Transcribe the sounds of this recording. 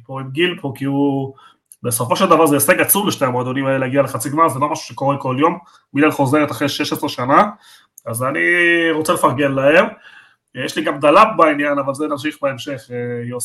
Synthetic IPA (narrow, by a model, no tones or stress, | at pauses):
poetɡilpʰokiu | beso̞fo̞ʃeld̪avaʁzeeseɡat͡sumleʃneamoad̪onimaeleaɡialeχat͡siɡmazelomaʃu̥ʃeko̞ʁeko̞ljo̞m | milalχo̞zeʁet̪aχʁeʃeʃesʁeʃana | azaniʁo̞t͡selefaʁɡenlahe̞m | jɛʃliɡamd̪alap̚bainjanavalzenamʃiχbaemʃe̞χjo